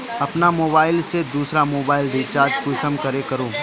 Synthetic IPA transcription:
ɐpnamoːbaːɪlsed̪uːsɾamoːbaːɪlɖit͡ʃaːɾd͡ʒkusəmkɐɾekɐɾoː

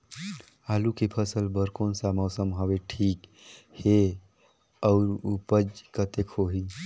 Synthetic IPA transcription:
alukipʰəsəlbəɾkonsaməwsəmɦəbeʈʰik | he | əʊɾupəd͡ʒkət̪ekʰoɦi

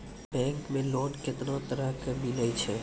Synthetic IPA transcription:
bɛ̃ːŋkmẽlɔːɖkɪt̪nat̪əɾəɦkəbiləjt͡ʃʰe

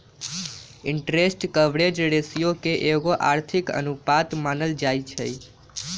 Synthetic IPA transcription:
ɪɳʈɾesʈkəʋɽed͡ʒɾesijokeʔeɡoʔa̰ɾt̪ʰɪkə̰nupat̪manəld͡ʒajt͡ʃʰə̰j

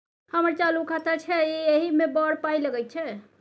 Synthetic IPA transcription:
həməɾt͡ʃalukʰat̪at͡ʃʰɛieɦimebəɽpajləɡɛj̚t͡ʃʰɛ

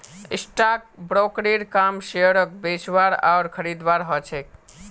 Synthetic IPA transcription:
ḭsʈak̚bɾokɾiɾkamʃeəɾək̚bet͡ʃʋaɾa̰ʊɾkʰəɾid̪ʋaɾɦɔt͡ʃʰek̚

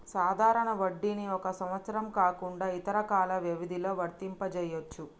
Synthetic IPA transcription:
saːd̪ʱaːɾɐɳɐʋɐɖːiniɔkɐsɐmʋɐt̪sɐɾɐmkaːkuɳɖaːit̪ɐɾɐkaːlɐʋjɐʋid̪ilo̞ːʋɐɾt̪impɐt͡ʃɛjot͡ʃːu

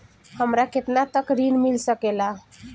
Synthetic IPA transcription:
həmɾaket̪nat̪əkɾinmilsəkela

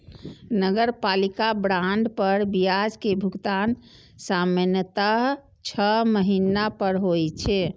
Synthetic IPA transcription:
nəɡəɾpalikabɾaɳɖpəɾbiad͡ʒkebʱuɡt̪an | samənjət̪aɦ | t͡ʃʰəməɦinapəɾɦojt͡ʃʰɛ

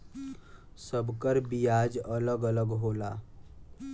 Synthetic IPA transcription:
səbkəɾbijad͡ʒələɡələɡɦola

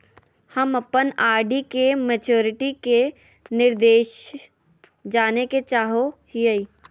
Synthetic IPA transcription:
hɐmɐpənaːɾɖikemɛt͡ʃoːɾɪʈike | nɪɾd̪eːʃ | d͡ʒaːneket͡ʃaːɦohiəiː

